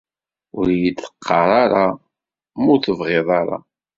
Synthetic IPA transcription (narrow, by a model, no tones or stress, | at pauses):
ʊɾjid̪θə̥qʰːɑɾˤɑɾˤɑ | mʊɾθəvʁɪðˤɑɾˤɑ̰